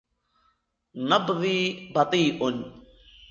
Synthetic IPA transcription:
nɐbðiːbɐt̪iːʔʊn

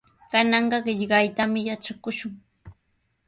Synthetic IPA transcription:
kanɑɴɢɑɢɪʎɢɑjt̪amɪjat͡ʃakʊʃʊŋ

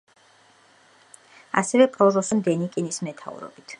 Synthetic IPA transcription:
a̰sɛvɛpʼɾɔzɔsɛmd̪ɛnikʼinismɛt̪ʰa̰ṵɾɔ̰bit̪ʰ

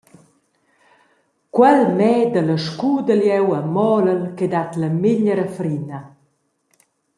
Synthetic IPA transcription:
kwɛlmɛːd̪ələʃkuːd̪əljɛwəmɔləlkɛd̪at̪ləmiɲəɾəfɾinə

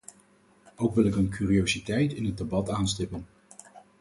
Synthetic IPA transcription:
owkʋɪlɪkənkyːriowzitɛjtɪnɦəd̚debɑtaːnstɪpən

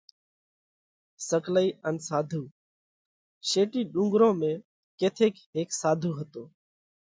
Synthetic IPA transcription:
səkləiːʔənsaːd̪ʱuː | ʃeːʈiːɗũːŋɡɾõːmẽː | keːt̪ʰeːkɦeːksaːd̪ʱuːɦət̪oː

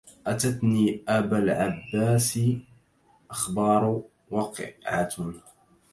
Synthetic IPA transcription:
ʔat̪at̪niːʔabalʕabːaːsɪ | ʔaxbɑːɾˤ | wɑqʕat̪

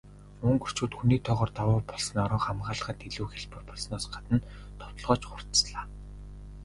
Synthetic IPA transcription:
ɵŋkɵr̥t͡ɕuːt̪xuniːt̪ʰɔːʁɔːrt̪awʊːpɔɮsɞ̆nɔɾɞ̆ŋχamɢaːɮ̆χə̆t̪iɮuːxeɮpɘ̆rpɔɮsnɔːsɢat̪ə̆n | t̪ʰɔ̥t̪ɞ̆ɮʁɔːt͡ɕχʊr̥t̪sɮaː

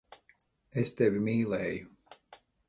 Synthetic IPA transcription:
est̪evimiːlɛːju

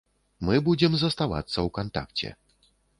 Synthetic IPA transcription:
mɨbud͡zʲɛmzɐst̪ava̰t̪sːɐwkant̪a̰kt͡sʲɛ̰

